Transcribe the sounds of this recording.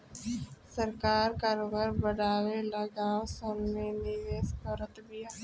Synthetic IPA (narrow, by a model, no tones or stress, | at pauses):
səɾkaːɾkaɾʋəɾbəɽaːwelɐɡaːsəmneniʋeskəɾət̪bija